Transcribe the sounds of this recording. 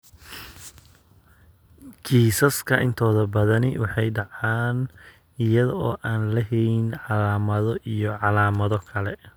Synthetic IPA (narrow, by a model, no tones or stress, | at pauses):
kʰiːsɐskʰɐʔɪnt̪ʰɔːðɐbɐðɐnɪwɑħɑjɖɑʕɑːn | ɪjɐðɔɔːʔaːnlɐɦɛɪnʕɑlaːmɐðɔʔijɔʕɑlaːmɐðɔkʰɐlɛ